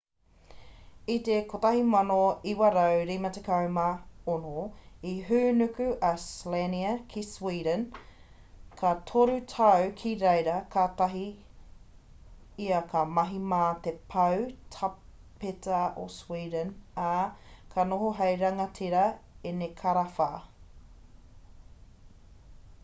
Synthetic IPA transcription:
it̪ekotɐɦimɐnoiwɐɾawɾimɐtekɐwmɐonoiɦʉːnʉkʉʔɐsleniɐkʰiswiːdən | kʰɐtʰoɾutʰɐwkʰiɾejɾɐkʰaːtɐɦi | iɐkʰɐmɐɦimaːt̪epʰɐwtʰɐ | petɐo̰swiːdənakʰɐnoɦoɦɐjɾɐŋɐtʰiɾɐenekʰɐɾɐfaː

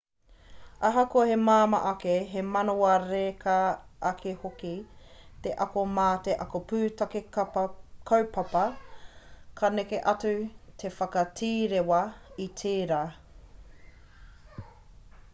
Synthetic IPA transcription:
ɐɦɐkoɐhemaːmɐ̰ʔɐkeɦemɐnoɐɾekʰaʔːkʰehokit̪eʔɐkomaːteʔɐkopʉːtɐke | kʰowpɐpɐ | kʰɐnekeʔɐt͡sʉtʰe̞fɐkɐtʰiːɾewɐitʰeːɾaː

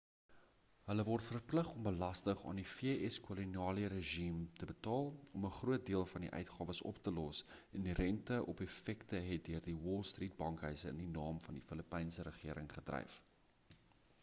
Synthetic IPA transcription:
ɦələvɔrtfərpləχɔmbəlɐstəχɑ̰ːndifiəɛskoloniɑːliəɾəʒimtəbətɑːlˠɔməχruət̚diəlˠfɐndiʔœ̰ɥtχɑːvəsɔ̰ptəlɔsʔɛndirɛntəʔɔpefɛktəɦɛt̚døərdiwɔlˠstriːt̚bɐŋkɦœɥsəə̰ndinɑːmfɐndifələpɛjnsəɾəχiəɾəŋχədrɛ̰jf

